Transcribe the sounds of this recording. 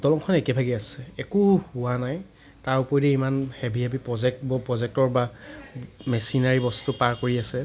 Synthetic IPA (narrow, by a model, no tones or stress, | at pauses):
dɔlɔŋkʰɔnɛkɛbʱaɡiasɛɛkuhuwanaj | taɹupɔɹidɛimanhɛbʱiabipɹɔzɛk̚tbɔpɹɔzɛk̚tɔɹba | mɛsinaɹibɔstupaɹkoɹiasɛ